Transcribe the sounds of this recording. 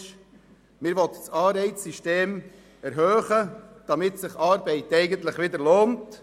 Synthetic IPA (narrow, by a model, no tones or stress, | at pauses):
ʃ | mɪɾʋɔt̪ə̥sɑːɾɛɪt͡ssiʃteːm | ɛɾɦøːχəd̥ɑmɪtsɪχɑːɾbɛɪtɛɪɡənt̪lɪχʋɪdəɾloːnt